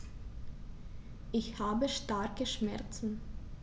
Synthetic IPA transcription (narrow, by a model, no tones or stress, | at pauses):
ʔɪçhaːbəʃtaɐkəʃmɛɐt͡sn̩